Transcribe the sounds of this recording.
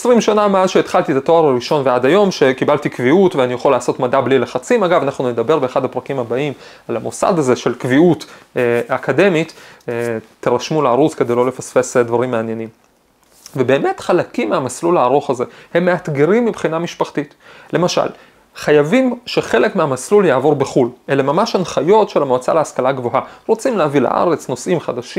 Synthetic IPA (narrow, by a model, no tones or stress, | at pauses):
esʁimʃanameazʃeːt̪χalt̪it̪ato̞aʁaʁiʃo̞nveadajo̞mʃe̞kibalt̪ikviutveanijeχolːaːso̞tmadablileχat͡simaɡavanaχnune̞d̪abe̞ʁbeːχad̪apʁɐakimabaim | alamosa̰d̪aze̞ʃe̞lkviuteakade̞mit | t̪eʁaʃmulaaʁut͡ske̞d̪ejlo̞lefasfe̞sd̪vaʁimːeanje̞nim | vebe̞ːme̞tχalakimːeamaslulaːʁo̞χaze̞he̞mːeat̪ɡeʁimːibχinamiʃpaχt̪it | le̞maʃa̰l | χajavimʃe̞χe̞le̞kmeamasluljaːvo̞ʁbe̞χulʔe̞lemamaʃanχajo̞tʃelamoat͡sa̰leaskalaɡvo̞ɦaʁot͡simleavila̰ʔa̰ʁe̞t͡sno̞sʔimχad̪aʃi